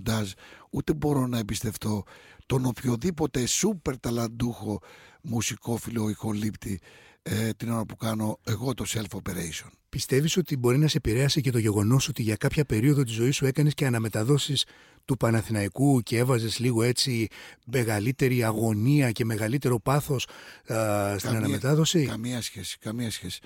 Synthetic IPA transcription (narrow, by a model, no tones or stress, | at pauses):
d̪ɐzut̪e̞bo̞ɾo̞nɐebist̪e̞ft̪o̞t̪o̞no̞pçoðipo̞t̪esupe̞ɾt̪ɐlɐnd̪uxo̞musiko̞filoixo̞lipt̪i | t̪ino̞ɾɐpukɐno̞e̞ɣo̞t̪o̞se̞lfopeɾeisio̞npist̪e̞viso̞t̪ibo̞ɾinɐsepiɾe̞ɐsice̞t̪o̞ʝe̞ɣo̞no̞so̞t̪iʝɐkɐpçɐpe̞ɾio̞ðot̪izo̞isue̞kɐne̞sceɐnɐme̞t̪ɐðo̞sis | t̪upɐnɐθinɐikucee̞vɐze̞zliɣo̞e̞t͡sime̞ɣɐlit̪e̞ɾiɐɣo̞niɐce̞me̞ɣɐlit̪e̞ɾo̞pɐθo̞s | st̪inɐnɐmet̪ɐðo̞sikɐmiɐsçesi̥kɐmiɐsçesi̥